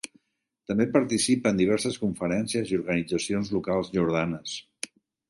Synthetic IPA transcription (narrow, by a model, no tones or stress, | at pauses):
t̪əmbepəɾt̪isipəːnd̪iβ̞ɛɾsəskuɱfəɾɛnsiəziuɾɣənid͡zəsionzlukalˠzʒuɾð̞anəs